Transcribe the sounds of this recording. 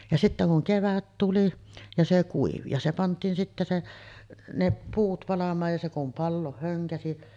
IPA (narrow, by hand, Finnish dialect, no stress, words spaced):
jɑ sitːæ kuŋ keʋæt tuli jɑ se kuiʋi jɑ se pɑntˑiːn sitːæ se ne puːt pɑlɑmˑɑːj jɑ se kum pɑlːoːh høŋkæsi